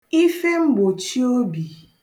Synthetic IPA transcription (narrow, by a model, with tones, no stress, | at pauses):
i˦fe˦ŋ͡m̩˦ɡ͡bo˨t͡ʃi˦o˦bi˨